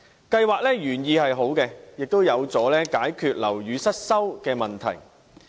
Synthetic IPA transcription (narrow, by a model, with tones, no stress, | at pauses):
kɐ˧jwaː˨k̚lɛː˥jyː˨˩njiː˧hɐ˨jɦo˨˥wkɛː˧jɪ˨k̚t̪o˥wjɐ˨˧wt͡sɔː˨˥lɛː˥kaː˨˥jkʰyː˨t̚lɐ˨˩wɥyː˨˧sɐ˥t̚sɐ˥wkɛː˧mɐ˨nt̪ʰɐ̰˨˩j